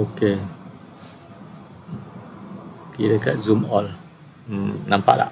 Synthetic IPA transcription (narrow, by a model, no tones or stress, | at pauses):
oke | kiɾekaʔzumɔl | nampa̰ʔla̰ʔ